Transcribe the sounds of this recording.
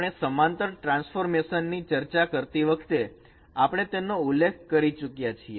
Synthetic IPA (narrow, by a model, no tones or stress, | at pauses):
ɳ̃esəmãnt̪əɾʈɾãnsfoɾmeʃənːit͡ʃəɾt͡ʃakəɾt̪iʋəkʰt̪e | apəɳ̃et̪enoulːek̚ʰkːəɾit͡ʃukjat͡ʃʰie